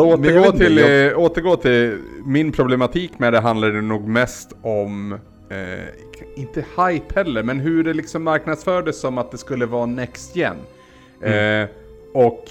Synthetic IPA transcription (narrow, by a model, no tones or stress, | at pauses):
oːəɡoːt̪ʰɪloːt̪əɾɡoːt̪ʰɪlmɪnpʰɾʊblɛmat̪ʰiːkmɛd̪ɛɦand̪laɖ̪ɛnuːɡmɛst̪ɔm | ɪnt̪əhajphɛlːəɾmɛnɦɵɖɛlɪksɔmːaɾknad̪sfœːɖəsːɔmat̪̚d̪ɛskɵlːəvɑːnɛkst̪jɛ̰nː | ɔk